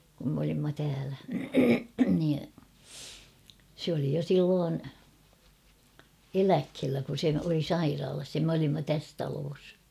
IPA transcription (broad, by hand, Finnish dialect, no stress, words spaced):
kum m olimːɑ tæːlæ niː sĕ oli jo silːoːn elækhelːæ kun̞ se oli sɑirɑːlɑs jɑ m olimːɑ tæs tɑloːs